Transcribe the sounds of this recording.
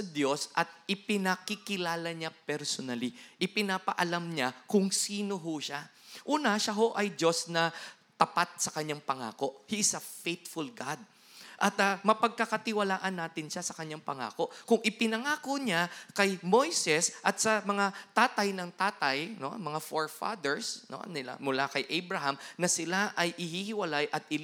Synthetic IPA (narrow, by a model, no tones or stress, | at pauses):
sɐd̪jo̞sʔɐt̪̚ʔɪpɪnɐkɪkɪlaːlɐɲapɛɾsonɐliʔɪpɪnapɐʔɐlamɲakʊŋsiːno̞ɦoʃaʔuːnɐʃaɦo̞ʔɐjdo̞snɐ | t̪ɐpat̪̚sɐkɐɲːaŋpɐŋa̰ːko̞ʔhisɐfejt̪fʊlɡad̪̚ | ʔɐt̪ɐmɐpɐɡ̚kɐkɐt̪ɪwɐlaːʔɐnːaːt̪ɪnʃasɐkɐɲːaŋpɐŋa̰ːko̞ʔkʊŋʔɪpɪnɐŋaːkoɲakɐjmojsɛsʔɐt̪̚sɐmɐŋat̪aːt̪ɐjnɐŋt̪aːt̪ɐjnomɐŋafoɹfa̰d̪ɛɹsno̰nɪla̰mʊlakɐjʔɛjbɹɐɦamnɐsɪlaʔɐjʔɪhihɪwɐlajʔɐt̪ɪ